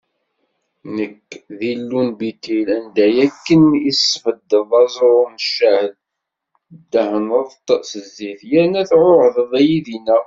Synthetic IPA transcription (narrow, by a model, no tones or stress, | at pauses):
nəkːðilːunbit̪ilænd̪æjækːənisːfəd̪ːəðˤɑzˤɾˤʊnəʃːæhəl | d̪ːæhənəðˤt̪əsəzːiθjænæθʕoʕðˤðæjiðinæ